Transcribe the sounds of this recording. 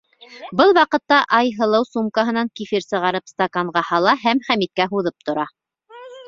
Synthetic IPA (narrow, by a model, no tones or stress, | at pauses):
bɤlˠwɑqɤ̆t̪ːɑʔɑjɦɤ̆lˠɤwsumkɑɦɤ̆nɑŋkifiɾsɤ̆ʁɑɾɤpst̪akaɴʁɑhɑlˠɑɦæmχæmit̪̚kæɦuðɤp̚t̪ŏɾɑ